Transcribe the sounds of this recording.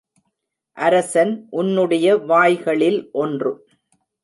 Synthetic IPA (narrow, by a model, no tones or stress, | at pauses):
ʔɐɾɐsɐnʔʊnːɯɽɐjɐʋaːjɣɐɭɪlʔɔndrɯ